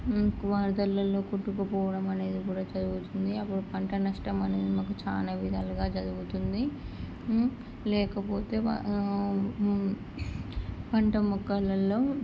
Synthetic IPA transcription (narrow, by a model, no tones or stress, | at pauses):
kumaːɾd̪ɐlːɐlːo̞ːkuʈːukupɔːʋɐɽɐmɐne̞ːd̪ikuːɽaːt͡ʃɐd̪uɡut̪und̪iɐpːuɽupɐɳʈɐnɐʂʈɐmɐne̞ːd̪imɐkut͡ʃaːnɐʋid̪aːluɡaːt͡ʃɐd̪uɡut̪und̪i | lɛːkɐpoːt̪e̞̰ː | pɐɳʈɐmɔkːɐlːɐlːo̞ː